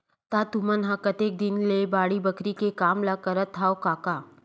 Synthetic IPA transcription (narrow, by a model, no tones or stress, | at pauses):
t̪aːt̪umənɦɐkət̪eːk̚d̪ɪnlebaːɽibɐkɾikekaːmlakəɾət̪ʰːaːokaːkaː